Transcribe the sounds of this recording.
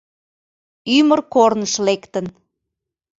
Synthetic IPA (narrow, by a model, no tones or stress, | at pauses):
ymərkornəʃlekt̪ən